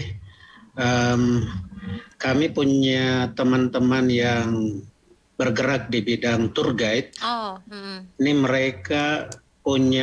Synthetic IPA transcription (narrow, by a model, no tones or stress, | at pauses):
əm | kamipuɲat̪əmant̪əmanjaŋ | bərɡəɾak̚dibidaŋt̪urɡait̪̚ | iniməɾeka | puɲa